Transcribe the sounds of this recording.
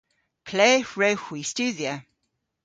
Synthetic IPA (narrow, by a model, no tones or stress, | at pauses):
pʰl̥eːɹəʊhwist͡ʃʉːðiə